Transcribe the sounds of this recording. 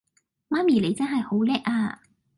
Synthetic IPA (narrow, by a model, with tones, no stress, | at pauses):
maː˥miː˨˩le˨˧jt͡sɐ˥nɦɐ˨jho˨˥wlɛː˥k̚ʔaː˧